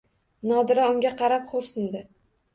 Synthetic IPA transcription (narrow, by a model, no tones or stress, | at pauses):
nɒd̪ɪɾaʊŋɡʲaqʰɑɾap̚χʰoɾsɪnd̪ɪ